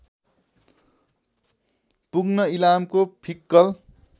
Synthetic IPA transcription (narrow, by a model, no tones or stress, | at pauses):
puɡnʌilamkopʰikːʌl